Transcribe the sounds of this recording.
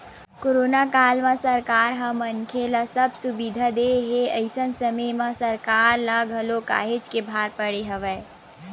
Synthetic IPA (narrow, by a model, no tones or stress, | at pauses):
koɾoːnakaːlmãsəɾkaːɾɦɐmənkʰelasəbʱsʊbid̪ʱad̪eɦeəɪsənsəməmãsɐɾkaːɾlaɡʱɐloka̰ːɦed͡ʒkebʱaːɾpəɽeɦəʋə